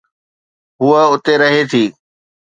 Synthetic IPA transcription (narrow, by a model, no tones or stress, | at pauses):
ɦʊəʊt̪eɾɐɦet̪ʰiː